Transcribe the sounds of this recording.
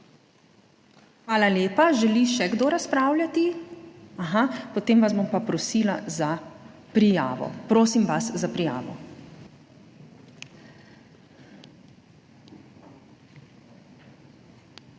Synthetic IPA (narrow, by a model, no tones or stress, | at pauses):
xʋaːlaleːpaʒɛliʃɛɡd̪oːɾaspɾaːwlʲjat̪i | aɦapɔt̪eːmʋazbompapɾɔsiːlaza | pɾija̰ːʋɔ̰pɾoːsimʋaszapɾija̰ːʋɔ̰